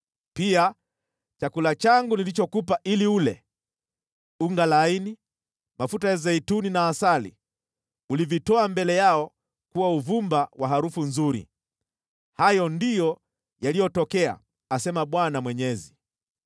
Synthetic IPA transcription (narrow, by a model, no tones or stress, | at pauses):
pia | t͡ʃakulat͡ʃaŋɡunilit͡ʃɔkupaʔiliulɛ̰ | uŋɡalaini | mafutaɛzɛituninaːsalḭ | ulivitɔambɛlɛjaɔ | kuwauvumbawaɦaɾufunzuɾḭ | hajɔndijɔ | jalijɔtɔkɛa̰ː | sɛmaɓwanamwɛɲɛzi